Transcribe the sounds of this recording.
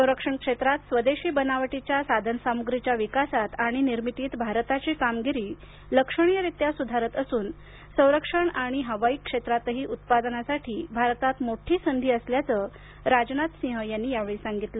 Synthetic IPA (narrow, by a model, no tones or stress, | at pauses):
sə̃wɾəkʂəɳkʂet̪ɾat̪sʋəd̪eɕiːbənaʋʈit͡ɕjasad̪ʱənəsamuɡɾit͡ɕjaʋikasat̪aɽ̃iniɾmit̪iːt̪bʱaɾt̪at͡ɕiːkamɡiɾiː | ləkʂəɳ̃ijəɾit̪jasud̪ʱaɾət̪əsuːn | sə̃w̃ɾəkʂəɳaɽ̃iɦəʋaikːʂet̪ɾat̪ɦiːʔut̪̚pad̪ənasaʈʰiːbʱaɾt̪at̪moʈʰiːsənd̪ʱiːəsljat͡sə | ɾad͡ʑnat̪sĩɦəjanːiːjaʋeɭisaŋɡit̪lə